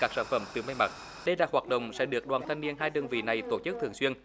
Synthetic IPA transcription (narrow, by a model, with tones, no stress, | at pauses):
kaː˦˥k̚səː˧˩nfə˧˩mt̪ɨ˨˩ma˧jma˨˩t̚ | ɗə˧jlaː˨˩hwaː˨˩t̚ɗə̰˧˨wŋ͡msɛ̰˧˥ɗɨ˨˩ək̚ɗwaː˨˩nt̪ʰa˧jŋ̟ni˧ənɦaː˧jɗə˧nvḭ˧˨na˨˩jt̪o˧˩t͡ɕɨ˦˥k̚t̪ʰɨ˨˩əŋswi˧ən